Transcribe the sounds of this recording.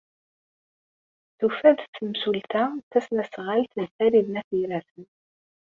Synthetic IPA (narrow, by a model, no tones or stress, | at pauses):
θufæðt͡sːəmsult̪æθæsnæsʁalt̪nəθæɾiðnæθiɾæθən